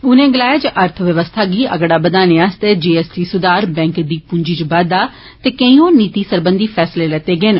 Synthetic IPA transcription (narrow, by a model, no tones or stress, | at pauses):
ʊnẽːɡɪlaːeːd͡ʒʔəɾt̪ʰʋəʋəst̪ʰaːɡiːʔə̰ɡɽaːbəd̪aːnẽːaːst̪eːd͡ʒeːɛːsʈiːsʊd̪aːɾbɛ̃ːŋkd̪iːpʊɲd͡ʒiːt͡ʃbaːd̪aː | t̪eːkə̃ĩõːniːt̪iːsəɾbənd̪iːpʰɛːsleːlɛːt̪eːɡeːn